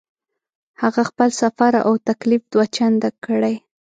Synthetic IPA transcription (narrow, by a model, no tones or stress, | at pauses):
haɣaxpəlsafaɾʔa̰wt̪aklifd̪̥wat͡ʃand̪akəɽaj